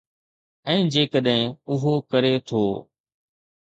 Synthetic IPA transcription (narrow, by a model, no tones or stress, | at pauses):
ɛ̃ːd͡ʒeːkəɗɦɪ̃ʊɦoːkəɾeːt̪ʰoː